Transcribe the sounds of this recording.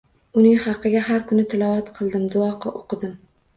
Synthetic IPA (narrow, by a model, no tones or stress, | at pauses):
ʊnɪŋhɑqʰːɨɡʲaɦaɾkʰʊnɪt̪ʰɪlɒvat̪qʰɨlˠd̪ɪmd̪ʊɒqʰɨʔoqʰɨd̪ɪm